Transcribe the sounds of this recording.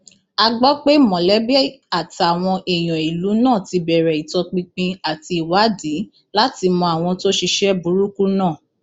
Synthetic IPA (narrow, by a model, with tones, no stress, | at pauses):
a˧ɡ͡bɔ˦k͡pe˦mɔ̃˨lɛ˨˦bɛ˦a˨ta˨w̃ɔ̃˧ʔe˨j̃ɔ̃˨i˨lu˨˦nãː˦˨ti˧bɛ˨ɾɛ˨i˨tɔ˧k͡pĩ˧k͡pĩ˧a˨ti˧i˨wa˨˦di˨˦ | la˦ti˧mɔ̃˧a˨w̃ɔ̃˧to˦ʃi˧ʃɛ˦bu˨˦ɾu˦ku˦nãː˦˨